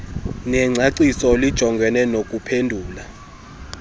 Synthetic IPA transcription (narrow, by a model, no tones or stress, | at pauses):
nɛŋ͡ǀʱaǀisɔlid̥ʒ̥ʱɔŋɡʱɛnɛnok̬ʼupʰendʱuːla